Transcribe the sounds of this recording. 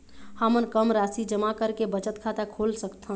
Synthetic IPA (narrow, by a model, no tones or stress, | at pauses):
həmənkəmɾasid͡ʒəmakəɾkebət͡ʃət̪kʰat̪akʰolsəkt̪ʰə